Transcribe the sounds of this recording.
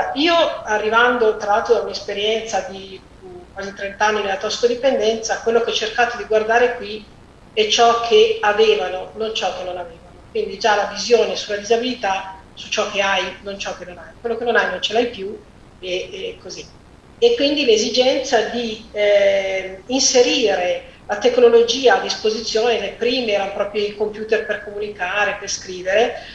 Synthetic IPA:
oaiːoarːivand̪ot̪ɾalalt̪ɾod̪aumiespeɾjɛnt̪sad̪i | ukwaːzit̪ɾent̪anːinelat̪ɔsi̥kod̪ipend̪ɛnt̪sakwelːokeɛt͡ʃːerkaːt̪od̪iɡward̪aːɾekwi | ɛt͡ʃɔkʰːeaveːvanonont͡ʃɔk̟ːenːonaveːvanokwind̪id͡ʒalavizjoːnesulːad̪izabilit̪a | sut͡ʃɔkːeajnont͡ʃɔkːenːonajkwelːokenonajnont͡ʃelajpju | ekːozi | ekːwind̪ilezid͡ʒɛnt̪sad̪i | nseɾiːɾe | lat̪ekːnolod͡ʒiːaːd̪ːispozit̪sːjoːnelepɾiːmeɛːɾanopɾɔːpɾjoikompjuːt̪erperkomunikaːɾeperskɾiːveɾe

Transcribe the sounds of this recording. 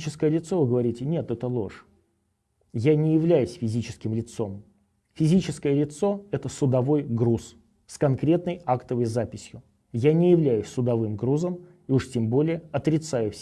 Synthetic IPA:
t͡ɕɪskəjəlʲɪt̪so̞vɨɡəvɐɾʲitʲɪnʲet̪ɛt̪əlˠo̞̰ʂ | janʲɪjɪvlʲæjʊsʲfʲɪzʲit͡ɕɪ̥skʲɪmlʲɪt̪so̞m | fʲɪzʲit͡ɕɪskəjəlʲɪt̪so̞ɛt̪əsʊd̪ɐvo̞jɡɾus | skɐnkɾʲe̞t̪nəjakt̪əvəjzapʲɪsʲjʊ | janʲɪjɪvlʲæjʊsʲsʊd̪ɐvɨmɡɾuzəm | iuʂtʲembo̞lʲɪjəɐt̪ɾʲɪt̪sajʊfsʲ

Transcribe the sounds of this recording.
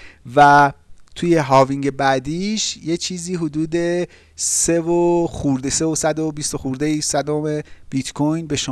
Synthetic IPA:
væt̪ʰuːje̞ɦɒːviŋɟe̞bæd̪iːʃjet͡ʃʰiːziːɦud̪uːd̪e̞ | sevoxuɾd̪ese̞vosæd̪obist̪oxuɾd̪ejisæd̪omeb̥it̪kʰojnbe̞ʃo

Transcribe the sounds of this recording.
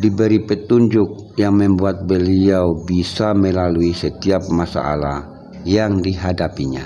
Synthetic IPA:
dibəɾipət̪uɲd͡ʒʊk̚ | jaŋməmbuat̪̚bəliawbisaməlaluisət̪iap̚masa̰ʔa̰la̰h | jaŋdiɦadapiɲa̰

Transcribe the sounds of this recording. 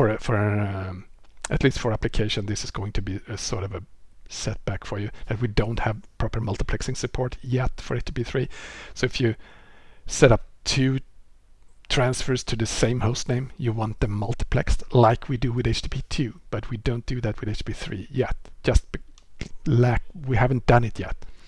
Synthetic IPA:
fə˞fə˞ | ɨtˡlistfə˞æplɨkʰeɪʃɨ̃nðɪsɨzɡoʊɪ̃ŋtʰɨbiɨsɔɹɾʌvɨsɛt̚b̥ækfə˞jɨðɨt̚widõʊ̃nt̚hɨv̥pʰɹ̥ɑpə˞mʌlˠtəpʰl̥ɛksɪ̃ŋsɨpʰɔɹtʰjɛtfə̰˞eɪt͡ʃtʰipiθɹisoʊɨfjɨ | sɛɾʌp̚tʰʉ | tʰɹ̥æ̃nsfə˞z̥tʰɨðɨsẽɪ̃mhoʊstnẽɪ̃mjɨwɑ̃nt̪̚ðɨmʌlˠtə̥pʰl̥ɛ̰kslaɪkʰwidɨwɨðeɪt͡ʃtʰipʰitʰʉb̥ʌt̚widõʊ̃nt̚d̥ɨðɨt̚wɨðeɪt͡ʃːpiθɹḭjɛ̰t̚d̥ʒ̥ʌst̚b̥ | læk̚wihævn̩̚d̥ʌ̃nɨtjɛ̰t̚

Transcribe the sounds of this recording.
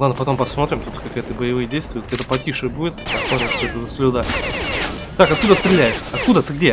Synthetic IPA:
lˠad̪nəpɐt̪o̞mpɐsmo̞t̪ɾʲɪmt̪ut̪ːə̥kɐkɛt̪əbəjɪvɨjdʲejst̪vʊjʊt̪ɛt̪əpɐtʲiʂɨbudʲɪt̪pɐxmoɾʲɪfsʲoɛt̪əzəslʲɪd̪a | t̪akɐt̪̚kud̪əst̪ɾʲɪlʲæjɪʂɐt̪̚kud̪ət̪ɨɡdʲe

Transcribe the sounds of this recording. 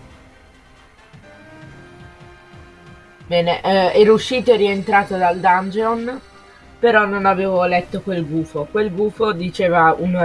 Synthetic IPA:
bɛːneʔɛɾouʃːiːt̪oɛrient̪ɾaːt̪od̪ald̪and͡ʒeon | peɾɔnːonaveːvolɛt̪ːokwelɡuːfokwelɡuːfod̪it͡ʃeːvaun

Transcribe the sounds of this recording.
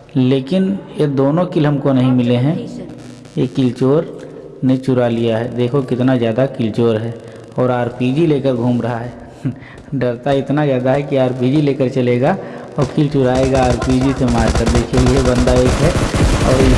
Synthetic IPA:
leːkɪnjed̪oːnõkɪlɦɐmkonɐɦĩmɪleɦɛ̃ | jekɪlt͡ʃoːɾ | net͡ʃʊɾalijaɦɛd̪eːkʰokɪt̪nazjaːd̪akɪlt͡ʃoːɾɦɛː | ɔːɾaːɾpid͡ʒileːkəɾɡʱuːmɾɐɦaɦɛ | ɖɐɾt̪aɪt̪nazjaːd̪aɦɛkiaːɾpiːd͡ʒileːkəɾt͡ʃɐleːɡaɔːɾkɪlt͡ʃʊɾaːeɡaaːɾpiːd͡ʒisemaːɾkəɾd̪eːkʰeiebɐ̃nd̪aeːkɦɛɔːɾ

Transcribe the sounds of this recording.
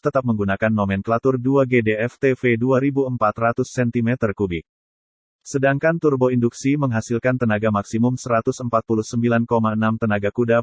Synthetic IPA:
t̪ət̪ap̚məŋɡunakanmomɛnklat̪ʊrduaɡedeɛft̪efeduaɾibuəmpat̪rat̪ʊsːɛnt̪imɛt̪ərkubɪk̚ | sədaŋkant̪urboinduksiməŋɦasilkant̪ənaɡamaksimʊmsəɾat̪ʊsəmpat̪̚puluhsəmbilankomaənamt̪ənaɡakuda

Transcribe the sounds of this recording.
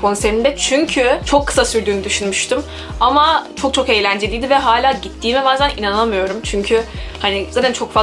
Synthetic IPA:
kʰo̞nseɾind̪ɛt͡ʃʰyɲcʰyt͡ʃʰo̞kʰːɯ̥sasyɾd̪yːnyd̪yʃynmyʃt̪ɯm | amat͡ʃʰo̞k̚t͡ʃʰo̞ke̞jlʲænd͡ʒe̞lʲijd̪ivɛɦaːlʲaːɟit̪ʰːiːmɛbaːzæninanɯlˠamɯjo̞ɾumt͡ʃʰyɲcʰyhanizaːt̪ʰænt͡ʃʰo̞kfa

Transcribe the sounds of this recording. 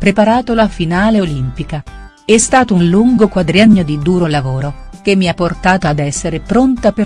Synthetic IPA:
pɾepaɾaːt̪olafinaːleolimpika | ɛst̪aːt̪ounluŋɡokwad̪ɾijaɲːod̪id̪uːɾolavoːɾok̟emːiapːort̪aːt̪oad̪ɛsːeɾepɾont̪ape

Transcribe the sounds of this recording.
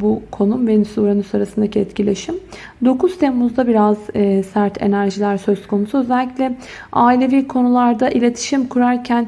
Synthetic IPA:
bukʰo̞numbenisuɾanusaɾasɯnd̪acʰɛt̪cilʲe̞ʃim | d̪o̞kʰuz̥t̪ʰemːuzd̪abiɾazsæɾt̪ʰe̞̰næɾʒilʲæɾsø̞z̥kʰo̞nusuø̞zɛlʲːicʲlʲɛ | aːilʲe̞viːkʰo̞nulˠaɾd̪aʔilʲe̞t̪ʰi̥ʃimkʰuɾaɾcʰæn

